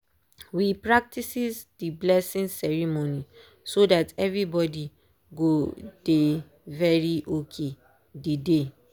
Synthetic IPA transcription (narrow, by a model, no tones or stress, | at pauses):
wipɹak̚tisisdiblɛsĩnsɛɹimoni | sodatɛvɹibɔdi | ɡod̥e | vɛɹiʔokʰe | dide